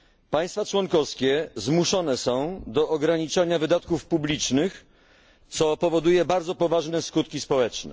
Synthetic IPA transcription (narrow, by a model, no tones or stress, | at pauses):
paj̃st̪fat͡ʂwɔŋkɔfskʲɛzmuʂɔnɛsɔ̃w̃d̪ɔʔːɡɾaɲit͡ʂaɲavɘd̪at̪kufpublʲit͡ʂnɘx | t̪sɔpɔvɔd̪ujɛbaɾdzɔpɔvaʐnɛskut̪kʲispɔwɛt͡ʂnɛ̰